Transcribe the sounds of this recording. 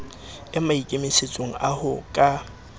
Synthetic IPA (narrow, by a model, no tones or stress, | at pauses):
ɪmaikʼemeset͡sʼoŋ̩ʔahʊkʼa